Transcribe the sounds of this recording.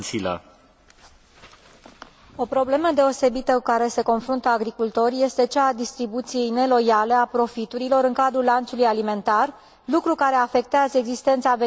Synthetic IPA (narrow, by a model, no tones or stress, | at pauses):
sila̰ | o̞pɾo̞ble̞məd̪e̞o̞se̞bit̪əkukaɾe̞se̞ko̞nfɾunt̪əaɡɾikult̪o̞rʲje̞st̪e̞t͡ʃaːd̪ist̪ɾibut̪sije̞jne̞lo̞jale̞apɾo̞fit̪uɾilo̞ɾɨŋkad̪ɾulːant̪sulujalime̞nt̪ar | lukɾukaɾe̞afe̞k̚t̪eazəe̞ɡzist̪e̞nt̪save